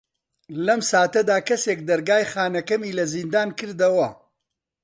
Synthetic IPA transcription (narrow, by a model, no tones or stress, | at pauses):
lɐmsaːt̪ɐd̪aːkɐseːk̚d̪ɐɾɡaːjχaːnɐkɐmiːlɐzind̪aːnkɨɾd̪ɐwɐ